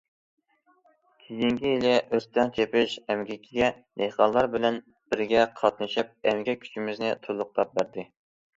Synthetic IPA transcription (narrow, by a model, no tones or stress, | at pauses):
kʲʰijiŋkʲijilɪʔøst̪ʰɛnt͡ʃʰepɪʃɛmɡʲɛkʲʰiɡʲɛ | neqɑnlˠːɑɾbɪlɛn | b̥ɪɾɡʲɛqʰɑt̪nɨʃip̚ɛmɡʲɛkʲʰy̥t͡ʃʰimɪznɪt̪ʰulˠʊq̚t̪ˠɑp̚bæɾd̪ɪ